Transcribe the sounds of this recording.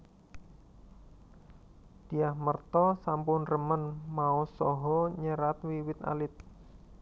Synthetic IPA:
d̪̥iahmərt̪ɔsampʊnrəmənmaɔsɔɦɔɲəɾat̪wiwɪt̪a̰lɪt̪̚

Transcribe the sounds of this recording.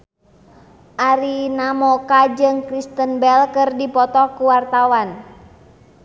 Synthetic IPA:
ʔaɾinamɔkad͡ʒɨŋkɾist̪ənbɛlkɨrdipɔt̪ɔkuwart̪awan

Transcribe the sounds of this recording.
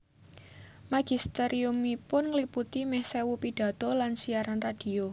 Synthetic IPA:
maɡ̥i̤st̪eɾiumipʊnŋəliput̪imɛhsewupid̥a̤t̪olansiaɾanrad̥i̤o

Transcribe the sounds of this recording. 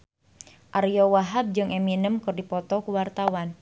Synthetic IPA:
ʔarjɔwaɦab̚d͡ʒɨŋʔeminəmkɨrdipɔt̪ɔkuwart̪awan

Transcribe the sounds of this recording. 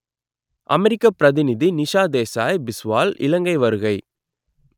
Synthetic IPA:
ʔɐmɛɾɪkːɐpɪɾɐðɪnɪðinɪʂaːd̪eːsaːjbɪsʋaːlɪ̰lɐŋɡɐɪʋɐɾɯɣɐɪ

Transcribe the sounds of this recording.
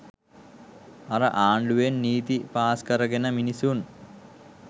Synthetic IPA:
aɾəʔaːɳɖuʋenːiːt̪ipaːskəɾəɡenəminisun

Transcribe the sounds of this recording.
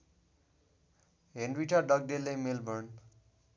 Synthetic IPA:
ɦenɖwiʈʰʌɖʌk̚ɖelːemelbʌrn

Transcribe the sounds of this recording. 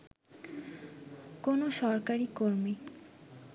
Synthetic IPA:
konoʃɔɾkaɾikoɾmi

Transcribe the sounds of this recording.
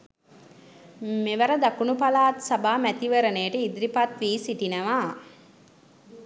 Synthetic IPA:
meʋəɾəd̪akunupalaːt̪sabaːmæt̪iʋəɾənejʈəid̪ɾipat̪ʋiːsiʈinəʋaː

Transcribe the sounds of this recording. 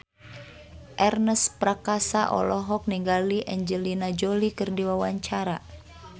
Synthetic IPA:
ʔɛrnəspɾakasaʔɔ̰lɔɦɔk̚niŋɡaliʔɛɲd͡ʒəlinad͡ʒolikɨrdiwawaɲt͡ʃaɾa

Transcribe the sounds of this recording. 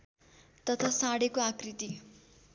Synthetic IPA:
t̪ʌt̪ʰasaɽekoakrit̪i

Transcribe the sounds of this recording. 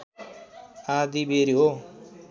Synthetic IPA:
ad̪ibeɾiɦo

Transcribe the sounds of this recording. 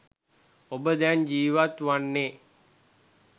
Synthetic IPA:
obəd̪ɛnd͡ʒiːʋat̪ʋanːe

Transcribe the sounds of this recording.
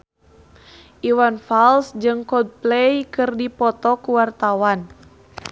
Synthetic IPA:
ʔiwanfalsd͡ʒɨŋkɔd̪̚plejkɨrdipɔt̪ɔkuwart̪awan

